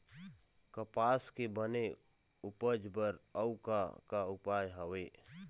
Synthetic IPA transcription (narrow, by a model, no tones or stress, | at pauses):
kəpaːskebəne | ʊpəd͡ʒbəɾəʊkakaʊpaːjɦəʋeː